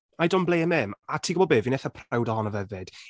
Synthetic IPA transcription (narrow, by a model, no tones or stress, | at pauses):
majdɔmblˠeɛmɛmatʰiːɡʊbɔd̚beːvinɛθəpʰrawdɔɦɔnəvɛvɪd̥